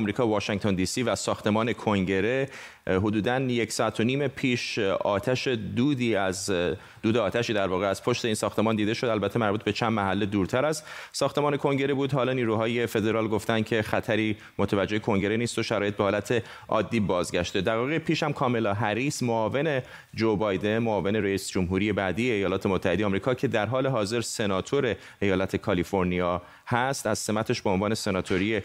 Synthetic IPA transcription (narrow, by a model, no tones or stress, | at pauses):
mɾiːkʰɒːvɒːʃiŋɡt̪ʰond̪iːsiːvæsɒːxt̪e̞mɒːne̞kʰoŋɟe̞ɾe̞ | ɦo̞d̪uːd̪ænje̞csɒːæt̪ʰːoniːmepʰiːʃɒːt̪ʰæʃe̞d̪uːd̪iːæz | d̪uːd̪eɒːt̪ʰæʃiːd̪æɾvɒːɣeæz̥pʰo̞ʃt̪e̞iːnsɒːxt̪e̞mɒːnd̪iːd̪eʃo̞d̪ælbæt̪ʰːe̞mæɾbut̪̚bet͡ʃʰænd̪mæɦælːe̞d̪uːɾt̪ʰæɾæzsɒːxt̪e̞mɒːne̞kʰo̞ŋɟe̞ɾebuːd̪hɒːlɒːniːɾuɦɒːje̞fe̞d̪e̞ɾɒːlɡo̞ft̪ænd̪̥̚cʰe̞xæt̪ʰæɾiː | mot̪ʰævæd͡ʒːe̞jekʰo̞ŋɟe̞ɾeniːst̪oʃæɾɒːje̞t̪be̞hɒːlæt̪ʰe̞ | ʔɒ̰ːd̪ːiːbɒːzɟæʃt̪ed̪æɣɒːɣepʰiːʃhæmkʰɒːme̞lɒːɦæɾiːsmoɒːve̞ne̞ | d͡ʒobɒjd̪e̞nmoɒːve̞neɾeiːsd͡ʒomɦuːɾije̞bæːd̪ijeːjɒːlɒːt̪ʰe̞mot̪ʰːæhed̪ejɛɒːmɾiːkʰɒːcʰe̞d̪æɾɦɒːle̞ɦɒːze̞ɾse̞nɒːt̪ʰo̞ɾe̞ | ejɒːlæt̪ʰe̞kʰɒlifo̞ɾnijɒː | hæst̪æz̥se̞mæt̪ʰe̞ʃbeonvɒːne̞se̞nɒːt̪ʰo̞ɾije